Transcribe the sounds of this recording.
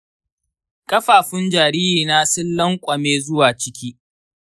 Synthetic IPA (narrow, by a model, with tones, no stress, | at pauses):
kʼɐ˦ɸaː˨ɸɪ˦nd͡ʒaː˨ɾiː˦jiː˨naː˦sɪ˦lːɐ˦ŋkʷʼɐ˨meː˦zʊ˦waː˨t͡ʃɪ˦kʲʰiː˦